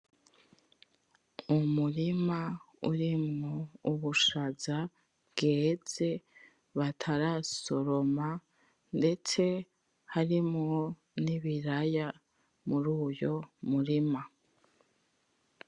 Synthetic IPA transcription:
umuɾima | ṵɾimŋouβuʃaza | bɡe̞ːz̥e̞ | βatʰaɾaso̞ɾo̞ma | nde̞t͡se̞ | haɾimŋo̞ | niβiɾaja | muɾuːjo̞muɾima

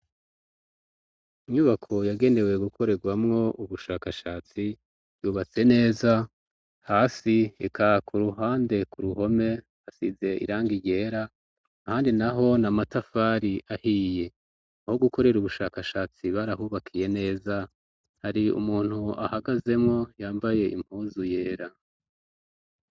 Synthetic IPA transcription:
iɲuβakʰo̞jaɡe̞ne̞we̞ɡukʰo̞ɾe̞ɡwamŋo̞ʔuβuʃaːkaʃaːt͡si | b̥juːβat͡se̞ne̞ːza | haːsiḛkʰakʰuɾuɦaːnde̞kuɾuɦo̞me̞ | asize̞ḭɾaːŋɡiɟe̞ːɾa | ahaːndinaɦo̞namatafaːɾiʔahije̞ | aho̞ɡuko̞ɾe̞ɾuβuʃaːkaʃaːt͡siβaɾahuːβakʰije̞ne̞ːza | haɾiṵmuːn̥hua̰haɡaze̞mŋo̞jaːmbaje̞ḭm̥huːzuje̞ːɾa

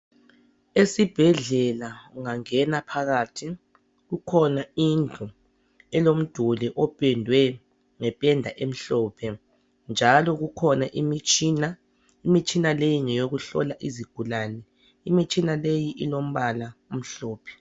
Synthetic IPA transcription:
esib̥ʱɛɮɛlauŋaŋɛnapʰaɣaːtʰi | ɣukʰɔnaind͡ɮʱu | ɛlom̩d̥ʱuliʔɔpʼɛndʱwɛ | ŋɛpʼɛndʱaʔem̩ɬɔːpʰɛ | nd͡ʒʱalɔɣukʰɔnaʔimit͡ʃʼina | imit͡ʃʼinalejiŋɛjoɣuɬɔ̰laʔiziɡ̥ʱulaːnɛ | imit͡ʃʼinalejiʔilom̩βalaum̩ɬɔːpʰɛ̥

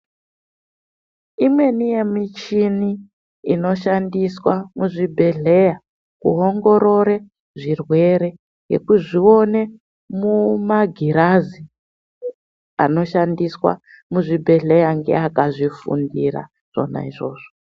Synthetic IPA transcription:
imwe̞nije̞mit͡ʃiniː | no̞ʃandiswamuʐibʱe̞ɮe̞ja | kuɦo̞ŋɡo̞ɾo̞ɾe | ʐirwe̞ɾe̞ | jḛkuʐio̞ne̞ | mumaɡʱiɾazi | ano̞ʃandiswa̰ | muʐibʱe̞ɮe̞jaŋɡe̞̰akaʐifṵndiɾa̰ | ʐ̥o̞̰na̰iʐo̞ːʐ̥o

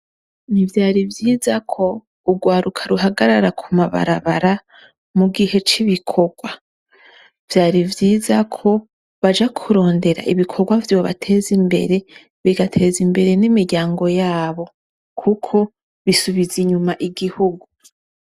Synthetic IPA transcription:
nivjaːɾivjiːzakʰo̞ | uɡwaːɾukʰḁɾuɦaɡaɾaɾakʰumaβa̰ɾa̰βaɾa | muɡihe̞t͡ʃiβikʰo̞ɡwa | vjaːɾivjiːzakʰo̞ | βad͡ʒakʰuɾo̞ːnde̞ɾa̰ʔiβikʰo̞ɡwavjo̞ːβa̰tʰe̞ːzimbe̞̰ɾe̞ | βiɡatʰe̞ːzimbe̞ɾe̞nimiɾɟaːŋɡo̞jaːβo̞ | kʰukʰo̞ | βisuβiziɲumaʔiɡihuɡu

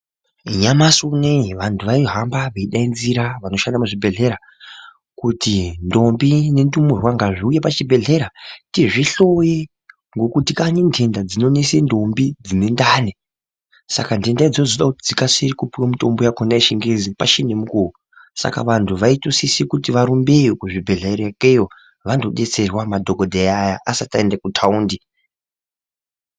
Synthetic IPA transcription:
ɲamasuneʋantʰuʋaiɦambaʋeiɗainziɾaʋano̞ʃandamuʐibʱe̞ɮe̞ɾa | kutindo̞mbine̞ndumurwaŋɡaʐiujepat͡ʃibʱe̞ɮe̞ɾatiʐiɬo̞je | ŋɡo̞kutikanindʰʱe̞ndad͡zino̞nesendo̞mbid͡zine̞ndaːne | sa̰kandendaid͡zozoɗakutid͡zikaserikupiwamito̞mbojakonaiʃiŋɡezipa̰ʃinemukoo | sa̰ka̰ʋantʰuʋaitosisikutiʋaɾumbejokuʐibʱe̞ɮeɾekejo | ʋando̞ɗe̞t͡se̞rwamadʱoɡodʱejajaʔasataendakutʰauːndi

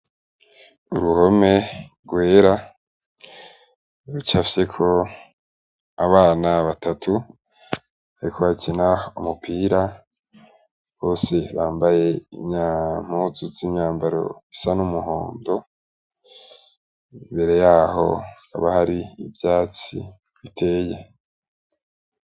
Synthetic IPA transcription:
uɾuho̞me̞ɾɡwe̞ːɾa | ɾut͡ʃafsekʰo̞ | aβaːnaβatatʰu | aɾikʰo̞βacʰinaumupʰiːɾa | βo̞ːse̞βaːmbaje̞ḭmɲaːm̥uzuzimɲaːmbaɾo̞̰isanumuɦoːndo̞ | mbe̞ɾe̞jaːho̞̰ka̰βahaɾiːvjaːt͡sḭ | βitʰe̞ːje

